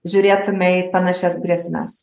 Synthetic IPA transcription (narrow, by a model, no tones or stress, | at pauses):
ʒʲʊɾʲeːt̪ʊmʲɛɪpɐnɑʃʲɛsbɾʲiɛsʲnʲɛ̰s